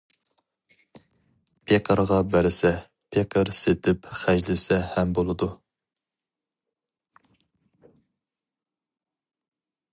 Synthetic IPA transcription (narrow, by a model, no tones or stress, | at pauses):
pʰeqʰəɾʁɑbæɾɪsɛ | pʰeqʰəɾset̪ʰɪpχæʒlɪsɛhɛmbolˠɨd̪u